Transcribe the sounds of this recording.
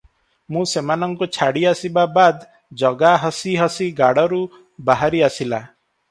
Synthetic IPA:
mũsemanɔŋkut͡ʃʰaɽiasibabad̪ | d͡ʒɔɡaɦɔsiɦɔsiɡaɽɔɾu | baɦaɾiasila

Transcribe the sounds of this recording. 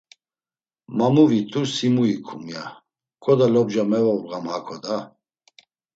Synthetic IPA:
mamuvit̪ʰusimuikʰumja | kʼɔd̪alɔbd͡ʒamɛvɔvʁamhakʰɔd̪a

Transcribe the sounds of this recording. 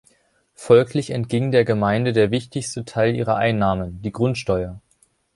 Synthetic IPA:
fɔlkʰlɪçɛntɡ̥ɪŋdeːɐɡəmaɪndədeːɐvɪçtɪçstətʰaɪlʔiːʁɐʔaɪnːaːmənd̥iːɡʁʊntʃtɔʏɐ

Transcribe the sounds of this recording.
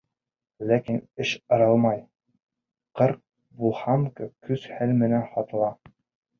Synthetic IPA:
lækinɘʃɤ̆ɾɤlˠmɑj | qɤɾq̚ | bulˠhɑmkɤkʉz̥hælmɘ̆nænχɒt̪ɤ̆lˠɑ

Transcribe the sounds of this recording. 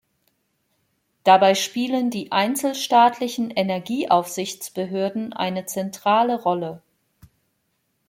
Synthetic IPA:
d̥abaɪʃpiːləndiːʔaɪnt͡sl̩ʃtaːtʰlɪçn̩ʔenɛɐɡiːʔaʊfz̥ɪçt͡sb̥əɦøːɐdn̩ʔa̰ɪnət͡sɛntʁ̥aːləʁɔlə

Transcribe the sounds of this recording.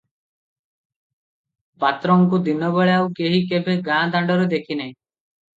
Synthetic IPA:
pat̪ɾɔŋkud̪inɔbeɭeawkeɦikebeɡãd̪aɳɖɔɾud̪ekʰinaj̃

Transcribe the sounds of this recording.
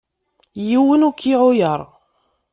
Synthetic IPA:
jiwənukʰːiʕʊjəɾˤ

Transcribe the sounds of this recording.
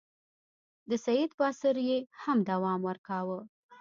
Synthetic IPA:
d̪əsajid̪pəasɪɾjehamd̪awɑmwəɾkɑwə

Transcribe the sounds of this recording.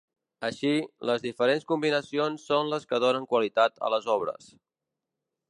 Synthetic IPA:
əʃiləzðifəɾenskumbinəsionsːonləskəðonəŋkwəlit̪at̪ə̰ləzɔβɾə̰s

